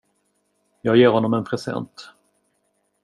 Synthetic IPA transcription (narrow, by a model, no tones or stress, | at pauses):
jɑːɡjeːɾhɔnːɔmɛnpʰɾɛsɛ̰nt̪